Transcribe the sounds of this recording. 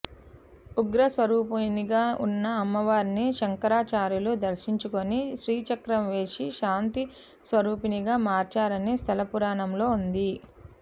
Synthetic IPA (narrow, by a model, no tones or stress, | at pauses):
uɡɾɐsʋɐɾuːpɐniɡaːunːɐːmːɐʋaːɾniʃɐŋkɐɾaːt͡ʃaːɾjuluːd̪ɐɾʃiɲt͡ʃukoniʃɾiːt͡ʃɐkɾɐmʋe̞ːʃiʃaːnt̪i | sʋɐɾuːpiniɡaːmaːɾt͡ʃaːɾɐnest̪ʰɐlɐpuɾaːɳɐmlo̞ːund̪i